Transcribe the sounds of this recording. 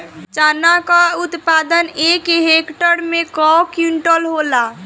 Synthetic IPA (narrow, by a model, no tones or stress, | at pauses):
t͡ʃaːnakaʊt̪pad̪ənekeɦekʈəɾmẽkɔkjuɳʈəlɦola